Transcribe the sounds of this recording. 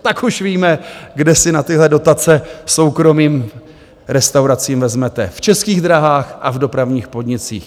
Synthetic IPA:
t̪akuʃviːmɛɡdɛsɪnat̪ɪɦlɛdo̞t̪at͡sɛso̞wkɾo̞miːm | ɾɛst̪awɾat͡siːmvɛzmɛt̪ɛft͡ʃɛskiːɣd̪ɾaɦaːxʔavdo̞pɾavɲiːxpo̞dɲɪt͡sḭːx

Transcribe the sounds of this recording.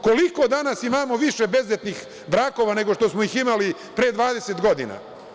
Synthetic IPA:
ko̞liko̞d̪anasimaːmo̞ʋiʃe̞be̞zet̪nix | bɾaːko̞ʋane̞ɡo̞ʃt̪o̞smoiximali | pɾeːd̪ʋaːd̪e̞set̪ɡo̞d̪ḭna̰

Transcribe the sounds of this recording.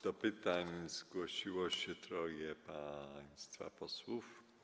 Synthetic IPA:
d̪̥ɔpɘt̪aɲz̥ɡwɔɕiwɔɕɛt̪ɾɔjɛpaj̃st̪fa̰pɔswuf

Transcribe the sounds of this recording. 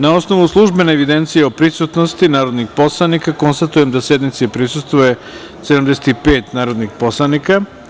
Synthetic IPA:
nao̞sno̞ʋuslˠuʒbenaeʋid̪e̞nt̪sijeopɾisut̪nost̪inaːɾod̪nixpo̞slˠanikako̞nst̪at̪uje̞md̪ase̞d̪nit̪siepɾisust̪ʋuje | sed̪amd̪eset̪ipe̞ːt̪naːɾo̞d̪nixpo̞slˠanika

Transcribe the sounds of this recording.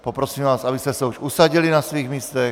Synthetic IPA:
popɾosiːmvaːsabist̪ɛsɛuʃusaɟilinasviːɣmiːst̪ɛ

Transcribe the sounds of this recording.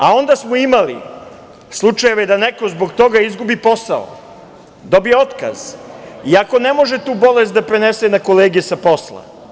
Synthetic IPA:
ao̞nd̪asmoimalḭ | slˠut͡ʃaje̞ʋed̪aneko̞zbo̞ɡt̪o̞ɡaizɡubipo̞sa̰o̰ | d̪o̞bijeo̞t̪ka̰z̥iako̞ne̞mo̞ʒet̪uːbo̞le̞st̪d̪apɾenesenakoleːɡijesapo̞slˠa̰

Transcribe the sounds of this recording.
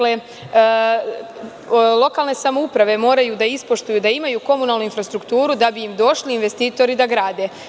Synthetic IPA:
le | lˠo̞kalˠne̞samoupɾaʋe̞mo̞ːɾajud̪aispo̞ʃt̪ujud̪aimajuko̞munaːlˠnuinfɾast̪ɾukt̪uːɾud̪abiːmd̪o̞ʃliːnʋe̞st̪iːt̪o̞ɾid̪aɡɾaːd̪e

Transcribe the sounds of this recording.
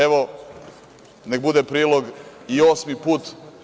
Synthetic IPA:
eʋo | ne̞k̚bud̪epɾiːlˠoɡioːsmipuːt̪

